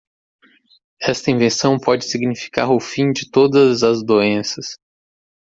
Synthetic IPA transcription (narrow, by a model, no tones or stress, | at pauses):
ɛst̪ɐĩvẽsɐ̃w̃pɔd͡ʒɪsiɡnifi̥ka̰ɾʊfĩd͡ʒɪt̪od̪ɐzɐzd̪oẽsɐs